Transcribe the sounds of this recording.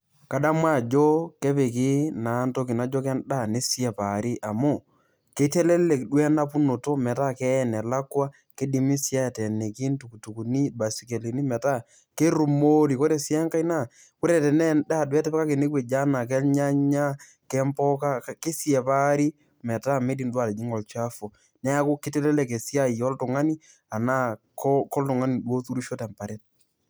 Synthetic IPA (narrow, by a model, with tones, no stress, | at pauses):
ka˨da˦mwa˦˨d͡ʒɔ˦kɛ˦pe˨ki˦na˨˦nto˦ki˨na˦d͡ʒɔ˦k̬ɛ˦nda˦˨ne˦sɛ˨pa˨ɾi˦ʔa˨mo˦˨ | ke˨˦tɛ˦lɛ˦le˨kɗwɛ˦na˦pu˦no˨to˦mɛ˨ta˦˨kɛ˦˨nɛ˨la˦kwa˦ | ke˦di˨mi˦sja˦˨tɛ˨ne˨ki˦ntu˨ku˨tu˨ku˨ni˦ba˨si˨ke˨li˨ni˦mɛ˨ta˦˨ | ke˦ɾu˨mo˦li˨ko˦ɾe˨si˦ɛ˦ŋka˦i˦na˦˨ | kʊ˦ɾɛ˨tɛ˨nɛ˦da˦˨dwɛ˦tɛ˦pɛ˦ka˦ke˨ne˦kwɛ˨d͡ʒa˦na˨k̬ɛ˦lɲa˦ɲa˦ | kɛ˦mpɔ˦ka˦kke˦si˦ɛ˨pa˦ɾi˦ | mɛ˨ta˦me˦di˨ndwa˨le˨d͡ʒi˦ŋɔ˨lt͡ʃa˦fo˨ | nɛ˦a˦kʊ˦kɪ˦te˦lɛ˦lɛ˦˨ke˨si˦a˦jɔ˦ltʊ˨ŋa˦ni˦ | a˨na˦kɔ˦kɔ˦ltʊ˨ŋa˦ni˨dwo˦tu˦ɾu˦ʃo˦tɛ˨mpa˨ɾe˦t̚